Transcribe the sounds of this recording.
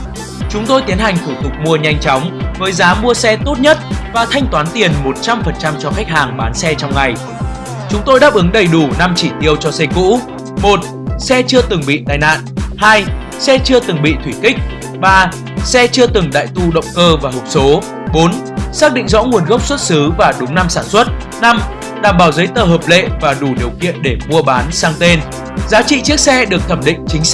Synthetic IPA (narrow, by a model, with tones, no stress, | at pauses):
t͡ɕʊ˨˦ŋ͡mt̪o˧jt̪i˨˦ənha˨˩ŋ̟t̪ʰu˧˩t̪ʊ˨˩k͡p̚mu˧əɲa˧jŋ̟t͡ɕɔ˨˦wŋ͡mvəː˨˦jzaː˨˦mu˧əsɛ˧t̪o˦˥t̚ɲə˦˥t̚vaː˨˩t̪ʰa˧jŋ̟t̪waː˨˦nt̪i˨˩ənmo˨˩t̚t͡ɕa˧mfə˨˩nt͡ɕa˧mt͡ɕɔ˧xa˦˥jk̚haː˨˩ŋɓaː˨˦nsɛ˧t͡ɕɔ˧wŋ͡mŋa˨˩j | t͡ɕʊ˨˦ŋ͡mt̪o˧jɗaː˦˥p̚ʔɨ˨˦ŋɗə˨˩jɗu˧˩na˧mt͡ɕḭ˧˩t̪i˧əwt͡ɕɔ˧sɛ˧kṵ˧˥ | mo˨˩t̚ | sɛ˧t͡ɕɨ˧ət̪ɨ˨˩ŋɓḭ˧˨t̪aː˨˩jna̰ː˧˨nʔhaː˧j | sɛ˧t͡ɕɨ˧ət̪ɨ˨˩ŋɓḭ˧˨t̪ʰwi˧˩kï˦˥k̟̚ | ɓaː˧ | sɛ˧t͡ɕɨ˧ət̪ɨ˨˩ŋɗa̰ː˧˨jt̪u˧ɗə̰˧˨wŋ͡mkəː˧vaː˨˩ho˨˩p̚so˨˦ | ɓo˨˦nsaː˦˥k̚ɗḭ̈˧˨ŋ̟zɔ̰˧˥ŋu˨˩ənɣə˦˥wp̚swə˦˥t̚sɨ˨˦vaː˨˩ɗʊ˨˦ŋ͡mna˧msaː˧˩nswə˦˥t̚ | na˧m | ɗaː˨˩mɓaː˨˩wzə˨˦jt̪əː˨˩ɦəː˨˩p̚lḛ˧˨vaː˨˩ɗu˧˩ɗi˨˩əwkḭ˧˨ənɗe˧˩mu˧əɓaː˨˦nsaː˧ŋt̪e˧n | zaː˨˦t͡ɕḭ˧˨t͡ɕi˦˥ək̚sɛ˧ɗɨ˨˩ək̚t̪ʰə˧˩mɗḭ̈˧˨ŋ̟t͡ɕï˨˦ŋ̟˥